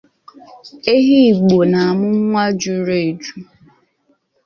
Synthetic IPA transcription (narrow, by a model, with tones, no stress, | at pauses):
e˦ɦi˦˨ɡ͡bo˨na˨a˨mʊ˦ŋ͡mŋʷa˦d͡ʒu˦ɾe˨e˨d͡ʒu˦